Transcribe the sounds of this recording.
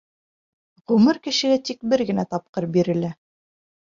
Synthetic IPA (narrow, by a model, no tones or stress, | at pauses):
ʁɵmɤɾkɘ̆ʃɘ̆ɡæt̪ik̚bɘɾɡɘ̆næt̪ɑp̚qɤɾbiɾɘ̆læ